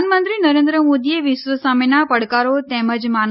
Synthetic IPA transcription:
nmənt̪ɾinəɾẽnd̪ɾəmod̪ieʋɪʃʋəsamenapəɽkaɾot̪ɛməd͡ʒman

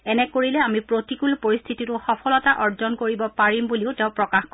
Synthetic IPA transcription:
ɛnɛkoɹilɛamipɹotikulpoɹist̪ʰititʊxɔpʰɔlɔtaʔɔɹzɔnkoɹibɔpaɹimbuliʊtɛ̃ʊ̃pɹɔkaxk

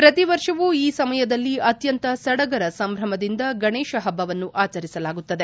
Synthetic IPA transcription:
pɾɐt̪iʋɐɾʂɐʋuiːsɐmɐjɐd̪ɐlːiɐt̪jɐnt̪ɐsɐɽɐɡɐɾɐsɐmbʱɾɐmɐd̪ind̪ɐɡɐɳeːʃɐɦɐbːɐʋɐnːuʔaːt͡ʃɐɾisɐlaːɡut̪ːɐd̪e̞

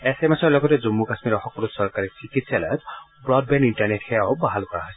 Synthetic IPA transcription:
esemesɔɹlɔɡɔtɛzumːukasmiɾɔxɔkːɔlusɔɹkaɹisikitsalɔjɔtbɹɔdbɛnintaɹnetxɛjabaɦalkɔɹa̰ɦɔjsɛ

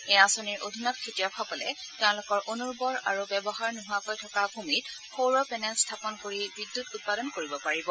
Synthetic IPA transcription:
ɛasoniɹʔodʱinɔt̚kʰetijɔkʰɔpɔlɛ̰tɛʊ̃lʊkɔɹʔonuɹbɔɹa̰ɹubɛbɔxaɹnuɦʊakojtʰɔkabʱumit̚pʰowɹɔpɛnɛlstʰapɔnkoɹibidːutut̚padɔnkoɹibɔpaɹibɔ

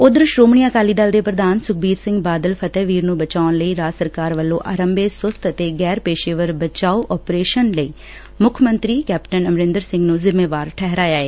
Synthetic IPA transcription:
ʊd̪əɾʃɾoːmɳijaːkaːliːd̪əld̪eːpɾəd̪aːnsʊk̚ʰbiːɾsɪ̃ŋɡbaːd̪əlpʰət̪ɛːʋiːɾnũːbət͡ʃaːʊnləiːɾaːsəɾkaːɾʋəlːõːʔaːɾəmbeːsʊst̪ət̪eːɡɛːɾpeːʃeːʋəɾbət͡ʃaːuʔɔːpɾeːʃənləḭː | mʊkʰmə̃nt̪ɾiːkɛːpʈənəmɾɪ̃nd̪əɾsɪ̃ŋɡnũːzɪmːeːʋaːɾʈʰɛɦɾaːjaːeː

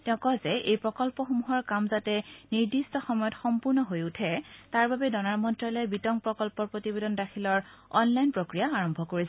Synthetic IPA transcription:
tɛʊ̃kɔzɛejpɹɔkɔlpɔxomuɦɔɹkamzatɛniɹdistɔxɔmɔjɔtxɔmpuɹnɔɦojutʰɛtaɹbabɛdɔnaɹmɔntɹalɛbitɔŋpɹɔkɔlpɔɹpɹotibedɔndakʰilɔɹɔnlajnpɹokɹijaaɹɔmbʱɔkoɹisɛ

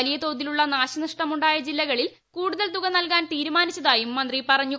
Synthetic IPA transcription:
ɐlijɐt̪o̞ːd̪iluɭːɐnaːɕɐnɐʂʈɐmuɳɖaːjɐd͡ʑilːɐɣɐɭil | kuːɽuðɐlt̪uɣɐnɐlkaːnt̪iːɾumaːnit͡ɕːɐðaːjumːɐnd̪ripɐrɐɲːu

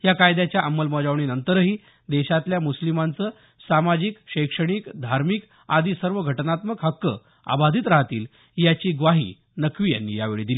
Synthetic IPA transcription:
jakajd̪jat͡ɕjaʔəmːəlməd͡zaʋɳinənt̪əɾəɦiː | d̪eɕat̪ljamuslimant͡səː | samad͡ʑikɕəjkʂəɽ̃ikd̪ʱaɾmik | ad̪iːsəɾʋəɡʱəʈnat̪məkɦəkːə | a̰bad̪ʱiːt̪ɾaɦat̪ḭːl | jat͡ɕiːɡʋaɦḭː | nəkʋiːja̰nːḭːjaʋeɭḭːd̪ili

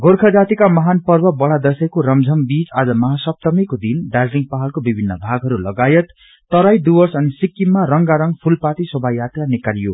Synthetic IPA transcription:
ɡʱorkʰʌd͡zat̪ikamʌɦanpʌrbʱʌbʌɭad̪ʌsʌjkoɾʌmd͡zʱʌmbit͡sad͡zʌmʌɦasʌp̚t̪ʌmikod̪inɖad͡zliŋɡpaɦʌlkobibʱinːʌ̰bʱaɡɦʌɾulʌɡajʌt̪ː | ʌɾajd̪ubʌsʌnisikːimːarʌŋɡaɾʌŋɡpʰulpat̪isʌbʱajat̪ranikalijo̰

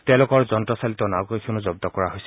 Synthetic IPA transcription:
tɛ̃ʊ̃lʊkɔɹzɔntɹɔsalit̪ɔnaɡojkʰunuzɔb̚d̪ɔkɔɹaɦojsɛ

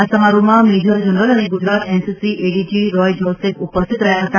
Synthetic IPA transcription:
asəmaɾumamid͡ʑʱəɾd͡ʑʱənɾəlaɽ̃iɡud͡ʑɾat̪ensisiʔeɽid͡ʑiːɾɔjd͡ʑɔlsekupəst̪ʰit̪ɾəjaɦət̪a

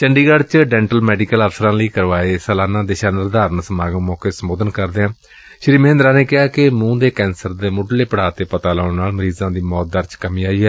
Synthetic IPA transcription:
t͡ʃəɳɖiːɡəɽt͡ʃɖɛːɳʈəlmɛːɖiːkələfsəɾãːləiːkəɾʋaːeːsəlaːnãːd̪eːʃaːnɪɾd̪aːɾənsəmaːɡə̃ːmɔːkeːsəmoːd̪ənkəɾd̪eːãː | ʃɾiːməɦɪ̃nd̪ɾaːneːkɪɦaːkɪmũːd̪eːkɛ̃ːnsəɾd̪eːmʊɖleːpəɽ̤aːt̪eːpət̪aːləːɽnaːlməɾiːzãːd̪iːmɔːt̪̚d̪əɾt͡ʃkəmĩːaːiːɦɛː

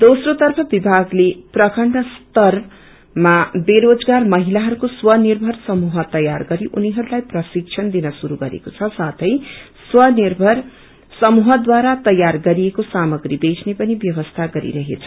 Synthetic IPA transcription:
d̪osrot̪ʌrpʰʌbibʱaɡleprʌkʌɳɖʌst̪ʌr | mabeɾod͡zɡarmʌɦilaɦʌɾukoswʌnirbʱʌrsʌmuɦʌt̪ʌjarɡʌɾiʔuniɦʌɾulajprʌsik̚t͡sʰʌnd̪inʌsuɾuɡʌɾḛkot͡sʰʌsat̪ʰʌj | swʌnirbʱʌr | sʌmuɦʌd̪waɾat̪ʌjːarɡʌɾiekosamʌɡɾibet͡sʰnepʌnibjʌbʌst̪ʰaɡʌɾḭɾʌɦet͡sʰʌ̥

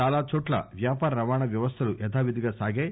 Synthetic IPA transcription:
aːlaːt͡ʃoːʈlɐ̰ʋjaːpaːɾɐɾɐʋaːɳɐʋjɐʋɐst̪ʰɐluʔɛt̪ʰaːʋid̪iɡaːsaːɡeː

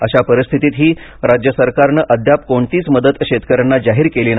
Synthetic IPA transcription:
əɕapəɾist̪ʰit̪iːt̪ɦiː | ɾad͡ʑjəsəɾkaɾnəʔəd̪ʱjap̚koɳt̪iːt͡sməd̪ət̪ɕet̪kəɾəɳːad͡zaɦiːɾkeliːn

